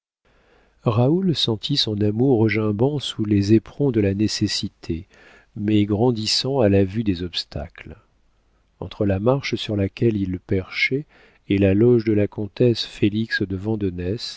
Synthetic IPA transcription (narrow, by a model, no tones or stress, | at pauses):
ʁaulsɑ̃t̪ʰisɔ̃namuʁːəʒɛ̃bɑ̃sulezepχɔ̃d̪əlanesesit̪ʰe | mɛɡʁɑ̃d̪isɑ̃alavyd̪ezɔpst̪ʰa̰kl | ɑ̰̃t̪χəlamaʁʃsyʁlakʲɛlilpɛʁʃɛ | elalɔʒd̪əlakɔ̃t̪ɛsfeliksd̪əvɑ̃d̪ɔnɛs